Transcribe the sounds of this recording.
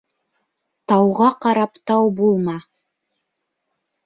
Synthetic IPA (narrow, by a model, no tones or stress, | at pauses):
t̪ɑwʁɑqɑɾɑpt̪ɑwbulˠmɑ